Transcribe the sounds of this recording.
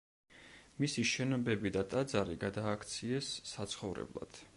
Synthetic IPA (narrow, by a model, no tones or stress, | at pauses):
misiʃɛnɔbɛbid̪at̪ʼad̪zaɾiɡad̪aːkʰt̪sʰiɛsːat̪sʰχɔvɾɛ̰blˠa̰d̪̥